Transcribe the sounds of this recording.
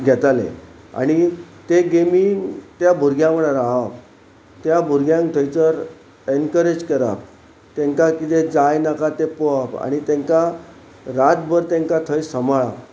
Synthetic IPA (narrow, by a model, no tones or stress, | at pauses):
ɡʱɛt̪alḛ | a̰ɽ̃it̪eɡemit̪jabʱuɾɡjãməɽaɾaɦap | t̪jabʱuɾɡjãŋt̪ʰəjt͡səɾ | enkəɾed͡ʑkəɾa̰p̚ | t̪ẽŋkakit̪ed͡zajnakat̪epoapa̰ɽ̃it̪ẽŋka | ɾat̪bəɾt̪ẽŋkat̪ʰəjsəmaɭa